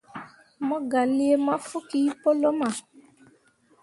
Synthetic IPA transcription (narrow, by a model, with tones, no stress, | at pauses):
mɔ̃˦ɡa˨li˦e˦mã˦fu˦ki˦i˦pɔ˦lɔ˦mã˨